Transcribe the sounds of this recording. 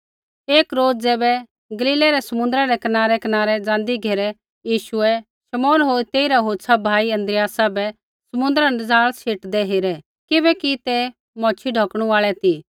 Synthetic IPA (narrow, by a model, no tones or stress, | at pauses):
eːkɾoːd͡zd͡zɛːbɛ | ɡɐliːlɛɾɛsɐmʊ̃nd̪ɾaɾɛkɐnaːɾɛkɐnaːɾɛd͡zãːnd̪iɡʱeːɾɛ | jiːʃʊɛ | ʃɐmɔːnɦoːit̪eːiɾaɦoːtsʰabʱaːiɐ̃nd̪ɾɪjaːsabɛ | sɐmʊ̃nd̪əɾanɐd͡zaːɭseːʈd̪ɛɦeːɾɛ | kɪbɛkit̪ɛ | mɔ̃ːt͡ʃʰiɖʱɔːkɽ̃ũaːɭɛt̪i